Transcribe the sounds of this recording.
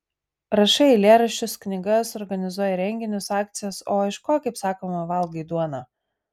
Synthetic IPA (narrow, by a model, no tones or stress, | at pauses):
ɾɐʃɐɪlʲeːɾɐʃʲt͡ʃʲʊsknʲɪɡɐsɔɾɡɐnʲɪzuɔjɛɾʲɛŋʲɡʲɪnʲʊsɑːk̚t̪sʲɪjɛsoːɪʃkoːkɐɪpsɑːkoːmɐʋɐlˠɡɐɪd̪uɔnɑ